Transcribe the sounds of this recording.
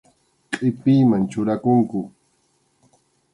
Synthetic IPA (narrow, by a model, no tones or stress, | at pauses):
qʼɪpiːmant͡ʃʊɾakʊŋkʊ